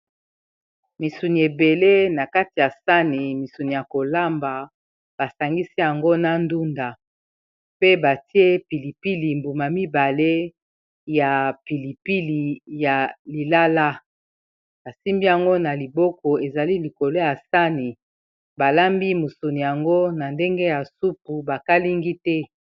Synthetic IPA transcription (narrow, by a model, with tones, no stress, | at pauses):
mi˨su˨ni˨e˨be˨le˦na˨ka˦ti˨ja˨sa˦ni˨mi˨su˨ni˨ja˨ko˨la˦mba˨ | b̥a˨sa˨ŋɡi˦si˦ja˨ŋɡo˦na˦ndu˦nda˨ | pe˦ba˨ti˦e˦pi˨li˨pi˦li˨mbu˨ma˨mi˦ba˨le˦ | ja˨pi˨li˨pi˦li˨ja˨li˨la˦la˦ | ba˨si˦mbi˦ja˨ŋɡo˦na˨li˨bɔ˦kɔ˨e˨za˨li˦li˨ko˨lo˦ja˨sa˦ni˨ | ba˨la˦mbi˦mu˨su˨ni˨ja˨ŋɡo˦na˨nde˦ŋɡe˦ja˨su˦p̚u˨ba˨ka˦li˦ŋɡi˦tɛ˦